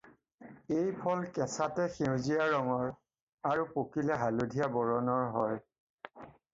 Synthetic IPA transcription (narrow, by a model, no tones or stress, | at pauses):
ejpʰɔlkɛ̃satɛxiwzijaɹɔŋɔɹ | aɹupokilɛɦaludʱijabɔɹɔnɔɹɦɔj